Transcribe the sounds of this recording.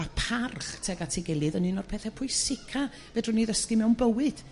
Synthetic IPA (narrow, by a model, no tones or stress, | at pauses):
apʰarχtʰɛɡatʰɪɡɛlˠɨðənɨnɔr̥pʰɛθɛpʰʊjsɪkʰa | vɛdrʊniðəskimɛwnbəwɨd̥